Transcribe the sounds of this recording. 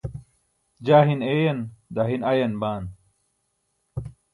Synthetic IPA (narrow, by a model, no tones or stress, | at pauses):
d͡ʑaːɦineːjɐnd̪aɦinɐjɐnbaːn